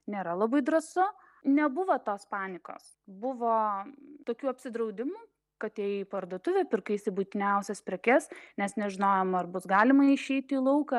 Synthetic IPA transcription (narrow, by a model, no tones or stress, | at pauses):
nʲeːɾɐlˠɐbɐɪd̪ɾɐsʊ | nʲɛbʊʋoːt̪oːspɑːnʲɪko̰ːs | bʊʋoːt̪oːkʲuːɐpʲsʲɪd̪ɾɐʊd̪ʲɪmuː | kɐt̪ɛjipɐrd̪oːt̪ʊʋʲɛpʲɪrkɐɪsʲɪbut̪ʲɪnʲɛʊsʲɛspʲɾʲɛkʲɛsnʲɛsnʲɛʒʲɪnoːjɛmɐrbʊsɡɑːlʲɪmɐɪʃʲɛɪt̪ʲilˠɐʊkɐ